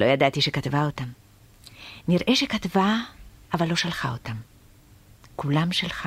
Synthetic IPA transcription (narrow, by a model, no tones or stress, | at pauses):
lʔo̞jad̪at̪iʃekat̪vaot̪am | niʁʔeʃekat̪vaavalːo̞ʃalχaot̪am | kulamʃalχa